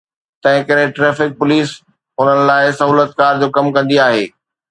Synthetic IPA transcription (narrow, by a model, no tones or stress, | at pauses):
t̪ɐ̃ɦɪ̃kɐɾɪ̃ʈɾɛːfɪk̚pʊliːs | ɦʊn̤ənɪ̆laːɪsɐɦuːlət̪̚kaːɾd͡ʑoːkɐmkɐ̃nd̪iaːɦeː